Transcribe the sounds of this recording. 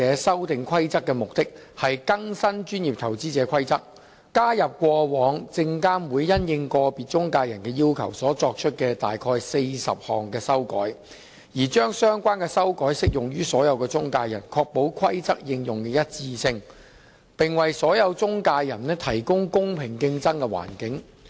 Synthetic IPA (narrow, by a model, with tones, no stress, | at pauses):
ɛː˨˧˥sɐ˥wt̪ɪ˨ŋkʰɐ˥jt͡sɐ˥kːɛː˧mʊ˨k̚t̪ɪ˥k̚hɐ˨jkɐ˥ŋsɐ˥nt͡ʃyː˥njiː˨p̚t̪ʰɐ˨˩wt͡siː˥t͡sɛː˨˧kʰɐ˥jt͡sɐ˥k̚ | kaː˥jɐ˨p̚kʷɔː˧wɔː˨˧ŋt͡sɪ˧ŋkaː˥nwuː˨˧jːɐ˥njɪ˧ŋkɔː˧piː˨t̚t͡ʃʊ˥ŋkaː˧jɐ˨˩nkɛː˧jiː˥wkʰɐ̰˨˩wsɔː˨˥t͡sɔː˧k̚t͡ʃʰɵ˥t̚kɛ˧t̪a̰ː˨jkʰɔː˧jse˧jsɐ̰˨p̚hɔː˨ŋkɛː˧sɐ˥wkɔ̰ː˨˥j | jiː˨˩t͡ʃœː˥ŋsœː˥ŋkʷaː˥nkɛː˧sɐ˥wkɔː˨˥jsɪ˥k̚jʊ˨˩ŋjyː˥sɔː˨˥jɐ˨˧wkɛː˧t͡sʊ˥ŋkaː˧jɐ̰˨˩nkʰɔː˧k̚po˨˥wkʰɐ˥jt͡sɐ˥k̚jɪ˧ŋjʊ˨ŋkɛː˧jɐ˥t̚t͡siː˧sɪ˧ŋ | pɪ˨ŋwɐ˨jsɔː˨˥jɐ˨˧wt͡sʊ˥ŋkaː˧jjɐ˨˩nnɛː˥t̪ʰɐ˨˩jkʊ˥ŋkʊ˥ŋpʰɪ˨˩ŋkɪ˧ŋt͡sɐ˥ŋkɛ˧wa̰ː˨˩nkɪ˨˥ŋ